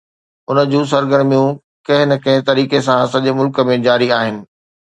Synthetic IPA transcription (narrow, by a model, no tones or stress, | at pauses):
ʊnəd͡ʑũːs̬ɐɾɡəɾmijũ | kɐ̃ɦɪ̃nɐkɐ̃ɦɪ̃t̪ɐɾiːkesãsɐʄemʊlkə̆mẽd͡ʑaːɾiaːɦɪnɪ̆